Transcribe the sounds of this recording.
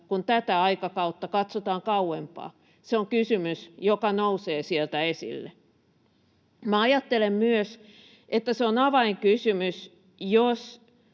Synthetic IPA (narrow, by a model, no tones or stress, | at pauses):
kunt̪æt̪æɑikɑkɑut̪ːɑkɑt̪sot̪ɑːŋkɑuempɑ̰ː | seoŋkysymysjokɑnouseːsielt̪æesḭlːḛ | mæɑjɑt̪ːelemmyøs | ʔet̪ːæseonɑʋɑiŋkysymys | jos